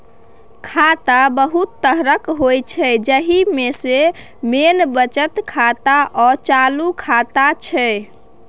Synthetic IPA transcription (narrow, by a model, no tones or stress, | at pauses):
kʰat̪abəɦut̪ːəɦɾəkɦojt͡ʃʰɛd͡ʒəɦimese | menbət͡ʃət̪kʰat̪aʔɔt͡ʃalukʰat̪at͡ʃʰɛ